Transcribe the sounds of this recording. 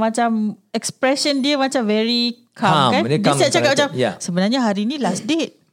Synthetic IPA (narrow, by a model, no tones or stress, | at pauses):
mãt͡ʃamɛkspɾɛsəndiəmat͡ʃamvɛɾikʰamkandisat͡ʃaat̚mat͡ʃamasəbənarɲaɦaɾinĩlasdet̚